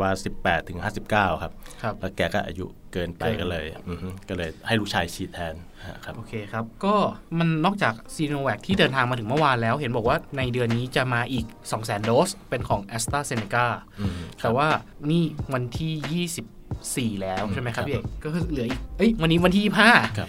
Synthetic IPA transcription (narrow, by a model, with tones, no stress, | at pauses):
waː˧si˨˩pːɛː˨˩t̪ʰːɯ˨˩˦ŋhaː˥˩si˨˩p̚kaː˥˩wkʰa˦˥p̚kʰa˦˥lɛ˦˥wkɛː˩kɔ̰˥˩ʔa̰ː˧jṵ˦˥ | kɤː˧npa˧jkɔː˥˩lɤ̰ː˧jkɔː˥˩lɤː˧jha˥˩jluː˦˥˩k̚t͡ɕʰaː˧jt͡ɕʰiː˦˩t̪ʰːɛː˧n | a̰˧˩a˦˥ʔoː˧˩kʰeː˧kʰa˦˥p̚kɔː˥˩ma˧nːɔː˥˩k̚t͡ɕaː˨˩k̚siː˧noː˧wɛː˨˩k̚t̪ʰiː˥˩dɤː˧nt̪ʰaː˧ŋmaː˧ɯ˩˦ŋmɯ˥˩waː˧nlɛː˦˥wɦe˩˦nbɔː˨˩k̚waː˥˩na˧jdɯ˧ənːiː˦˥t͡ɕa˨˩ʔmaː˧ʔiː˨˩k̚sɔː˩˦ŋsɛː˩˦ndoː˦˥spe˧nkʰɔː˩˦ŋʔɛ˦˥st̪aː˥˩se˧ne˧kaː˥˩t̪ʰɛː˨˩waː˥˩niː˥˩wa˧nt̪ʰiː˥˩jiː˥˩si˨˩p̚siː˨˩lɛː˦˥wʰa˥˩ma˦˥kʰa˥pji˧˩˨kɔː˥˩ɤ˧˩lɯ˨˩˦ɐʔiː˨˩k̚ʔɤ˦˥jwa˧nːiː˦˥wa˧nt̪ʰiː˥˩si˨˩p̚haː˥˩a˦